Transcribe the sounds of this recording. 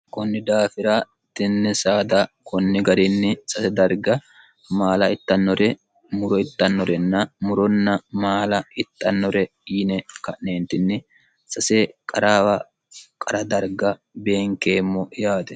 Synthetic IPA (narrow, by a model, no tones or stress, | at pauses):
kɔnːɪd̪aːfɪɾɐ | t̪ɛnːɛsaːd̪ɐkɔnːɪɡɐɾɪnːɪsɐsɛd̪ɐɾɡɐ | maːlɐɪt̪ːɐnːɔɾɛ | mʊɾɔɪt̪ːɐnːɔɾɛnːɐmʊɾɔnːɐmaːlɐɪt̪ːɐnːɔɾɛ | iːnɛkɐʔneːnt̪ɪnːɪ | sɐsɛkʼɐɾaːwɐ | kʼɐɾɐd̪ɐɾɡɐ | be̞ːŋkeːmːɔjaːt̪ɛ